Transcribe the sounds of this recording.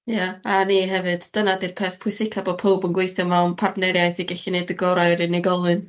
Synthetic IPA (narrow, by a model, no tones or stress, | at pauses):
jaaniːɦɛvɨd̥ːənadirpʰɛːθpʰʊsɪkʰabo̥ːpʰowbənɡwejθjɔmawnpʰardnɛɾjajθiɡɛɬinejdəɡɔɾajɾɨneɡɔlˠɨn